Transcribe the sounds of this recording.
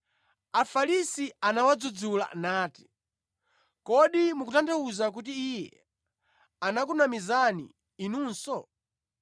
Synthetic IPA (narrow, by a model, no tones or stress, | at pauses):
afalisianawad͡zud͡zula̰naːti̥ | kɔɗimukutantʰauzak̬utiːjɛ̰ | anak̬unamizanḭː | nuːnsɔ